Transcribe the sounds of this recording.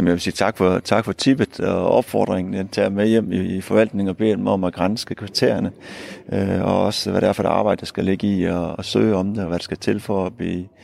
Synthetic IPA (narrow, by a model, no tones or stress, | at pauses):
jemənjæʋe̝siːt͡sʰɑ̈ɡ̥fɒt͡sʰɑ̈ɡ̥fɒ̽t͡sʰib̥əð̩̥ˠɒɒ̽b̥fɒ̰ːd̥ʁeŋn̩et͡sʰɛ̰ɐmejem̰ifɒ̽ʋæl̰d̥ne̝ŋɒ̽b̥e̝̰ːd̥emɒ̽mæɡ̥ʁɑnsɡ̥əkʰʋit͡sʰḛːɐnəøɒ̽ɒ̽sʋæɾ̥æɐfɒ̽dɑ̈ːb̥ɑ̈ɪd̥əsɡ̥æle̝ɡ̥əiɒːsø̰ːɪɒ̽md̥eɒʋæɾesɡ̥æt͡sʰe̝lfɒb̥iː